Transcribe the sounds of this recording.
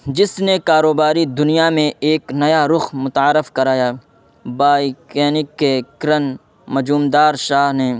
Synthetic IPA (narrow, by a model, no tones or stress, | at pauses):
d͡ʒɪsnekaːɾoːbaːɾid̪ʊnijamẽeːknɐjaɾʊxmʊt̪aːɾɪfkɐɾaːjaː | baːikɛːnɪkːekɾən | mɐd͡ʒuːmd̪aːɾʃaːɦne